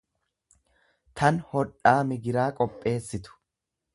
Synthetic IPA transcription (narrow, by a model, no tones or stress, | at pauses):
t̪ʰɐnhɔᶑaːmɪɡɪɾaːkʼɔpʼːe̞ːsːɪt̪ʊ̥